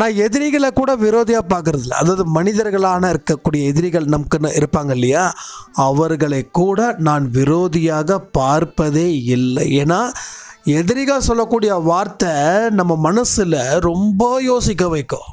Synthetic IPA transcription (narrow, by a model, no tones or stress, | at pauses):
nãːɛðɪɾɪɣɐɭɐkːuːɽɐʋɪɾoːðɪjaːpaːɾkɯɾɐðɪlːɐ̰ɐðaːʋɐðɯmɐnɪðɐɾɣɐɭaːnɐɪɾɯkːɐkːuːɽɪjɐɛðɪɾɪɣɐɭnɐmɐkːɯnːɯɪɾɯpːaːŋɡɐɪlːɐjaːɐʋɐɾɣɐɭɐɪkːuːɽɐnaːnʋɪɾoːðɪjaːɣɐpaːɾpɐðeːɪlːɐ̰eːnːaː | ɛðɪɾɪɣaːsɔlːɐkːuːɽɪjɐʋaːɾt̪ɐnɐmːɐmɐnɐsɪlɐɾɔmbɐjoːsɪk̬ːɐʋɐɪkːʊ̰̃ː